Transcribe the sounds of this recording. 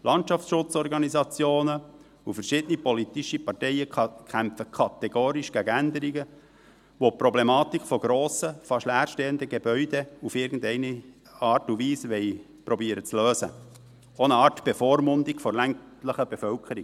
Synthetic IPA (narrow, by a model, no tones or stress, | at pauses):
lʔɑntʃɑftʃʊt͡sɔɾɡɑnizɑt͡sjoːnə | ufəɾʃɪd̥̪ənipolit̪iʃipɑrtɛɪjəkʰχæmfəkʰɑt̪eɡ̥oːɾiʃɡ̥æɡænd̪əɾiɡə | ʋopɾɔblemɑːt̪ikfɔɡ̥ɾoːsəfɑʃlæːɾʃtɛːənd̪əɡebœʏdeufɪɾɡn̩dɛɪni | ɑːtuʋiːsʋɛɪ | pɾɔbiːəɾət͡sløːsə̰ | onəɑːɾtb̥efoːɾmʊnd̪ikfɔlæŋtləχəb̥efœlkʰəɾi